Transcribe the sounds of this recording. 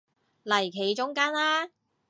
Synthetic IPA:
lɐ˨˩jkʰe˨˥jt͡ʃʊ˥ŋkaː˥nlaː˥

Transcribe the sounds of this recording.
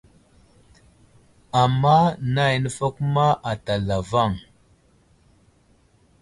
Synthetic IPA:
a˨mːa˦na˦˨jnə˦fa˦ku˦ma˦ʔa˨ta˨la˨va˦˨ŋ

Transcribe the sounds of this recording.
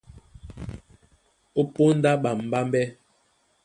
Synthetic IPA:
o˦po˦n̩˦da˦ɓa˨m̩˨ba˦mbɛ˦

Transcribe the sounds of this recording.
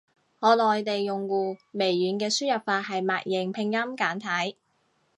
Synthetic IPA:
ŋɔː˨˧lɔː˨jt̪e˨jːʊ˨˩ŋkuː˨˧me˨˩jːyː˨˥nkɛː˧syː˥jɐ˨p̚faː˧t̚ɦɐ˨jma̰ː˨k̚jɪ˨˩ŋpʰɪ˧ŋjɐ˥mkaː˨˥nt̪ʰɐ˨˥j

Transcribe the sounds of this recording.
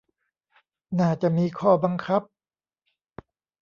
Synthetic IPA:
naː˥˩t͡ɕa˧˩ʔmiː˧˥kʰɔː˥˩ba˧ŋkʰa˦˥p̚

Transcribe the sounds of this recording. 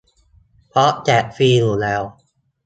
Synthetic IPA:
pʰɾɔ˦˥ʔt͡ɕɛ˨˩ʔfiː˧llɛː˧˩w

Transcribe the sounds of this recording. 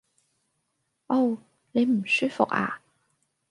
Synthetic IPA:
ʔo˥˩w | ne˨˧jm̩˨˩syː˥fʊ̰˨k̚a̰ː˨˩

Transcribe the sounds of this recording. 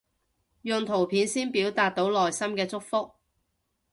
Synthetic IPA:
jœ˨˧ŋt̪ʰo˨˩wpʰiː˨˥nsiː˥npiː˨˥wt̪aː˨˧t̪̚ːo˨˥wlɔː˨jsɐ˥mkɛː˧t͡sʊ˥k̚fʊ˥k̚

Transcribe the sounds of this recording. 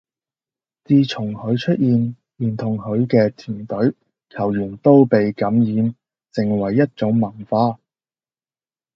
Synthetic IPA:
t͡siː˧t͡sʰʊ˨˩ŋhɵ˨˧ɥt͡ʃʰɵ˥t̚ʔjiː˨n | jiː˨˩nt̪ʰʊ˨˩ŋhɵ˨˧ɥkɛː˧t̪ʰiː˨˩nt̪ɵ˨˥ɥ | kʰɐ˨˩wjyː˨˩nt̪o˥wpe˨jkɐ˨˥mjiː˨˧˥n | t͡sɪ˨ŋwɐ˨˩jːɐ˥t̚t͡sʊ˨˥ŋmɐ˨˩ŋfaː˧

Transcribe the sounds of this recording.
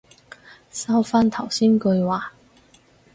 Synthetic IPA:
sɐ˥wfaː˥nt̪ʰɐ˨˩wsiː˥nkɵ˧ɥwaː˨˩

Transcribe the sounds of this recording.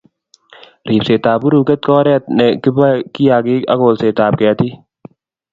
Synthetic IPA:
ɾiː˨pseː˨t̪aː˨bʊ˦ɾuː˨kɛ˦t̪̚kɔː˦ɾɛ˦t̪̚nɛ˨kɪ˦ba˦ki˦jaː˨kɪ˦ɐ̰˦koː˨lseː˨t̪aː˨p̚kɛː˨t̪i˦

